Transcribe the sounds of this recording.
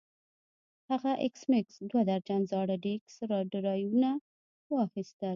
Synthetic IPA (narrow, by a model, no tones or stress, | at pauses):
haɣaʔɪksmɪksd̪wad̪aɾd͡ʒanzɑɽaɖeksɾɑɖɪɾɑjuna | wɑxist̪əl